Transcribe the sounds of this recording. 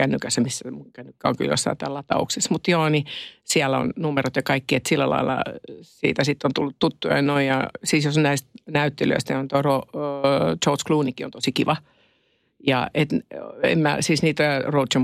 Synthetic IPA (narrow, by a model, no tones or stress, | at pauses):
kænːykæsːæmisːæmuŋkænːykːæo̰ŋky̰ljo̰sːɑ̰it̪æːlːɑt̪ɑ̰ṵksesmut̪joːnisiælæo̰nnumeɾot̪jɑkɑikːiet̪silːælɑ̰ilːɑ̰sḭːt̪æsit̪ːont̪ulːut̪tut̪ːujɑ̰inoijɑ̰siːsjosonnæist̪næyt̪ːelø̰ist̪niont̪oro | t͡ʃouskluːnikio̰nt̪osikiʋɑ | jɑ̰et̪ḛmmæ̰siːsniːt̪ærout̪t͡ʃɑm